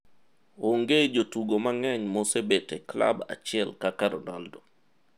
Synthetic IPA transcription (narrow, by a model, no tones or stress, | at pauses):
oŋɡed͡ʒotuɡomaŋɛɲmosebetekla̰ba̰t͡ʃɪɛlkakaɾɔndɔldo